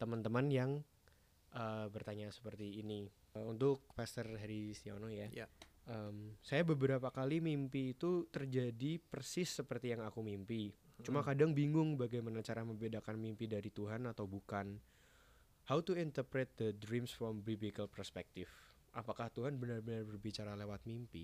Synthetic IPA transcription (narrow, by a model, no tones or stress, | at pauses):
t̪əmənt̪əmənjaŋ | ʔəbərt̪aɲasə̥pərt̪iːni | unt̪ʊk̚fɛst̪ərɦaɾisia̰nɔja | ʔəmsajabəbəɾapakalimimpiːt̪ut̪ərd͡ʒadipərsɪsːəpərt̪ijaŋakumimpit͡ʃumakadaŋbiŋʊŋbaɡajmanat͡ʃaɾaməmbedakanmimpidaɾit̪uɦanat̪awbukan | hawt̪uint̪ərpɾɛt̪̚d̪ədɾimsfɾɔmbibikəlpərspɛk̚t̪ɪf | ʔapakaht̪uɦanbənərbənərbərbit͡ʃaɾalewat̪̚mimpi